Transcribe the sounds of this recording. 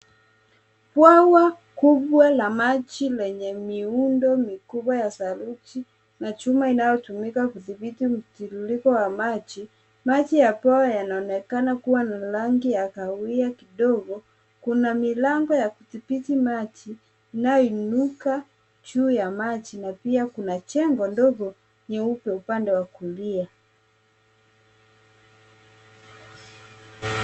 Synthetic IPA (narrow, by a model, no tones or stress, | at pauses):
pwawa | kuɓwalamat͡ʃilɛɲɛmiundɔmikuɓwajasaluti | nat͡ʃumainajɔtumikakuθiɓitim̩tiɾulikɔwamat͡ʃi | mat͡ʃijapwawajanaɔnɛkanakuwanalaŋɡijakawuiakiɗɔɡɔ | kunamilaŋɡɔjakuθipitimat͡ʃiː | najɔinuka | d͡ʒuːjamat͡ʃinapiakunat͡ʃɛŋɡɔndɔɡɔ | ɲɛupɛupandɛwakulia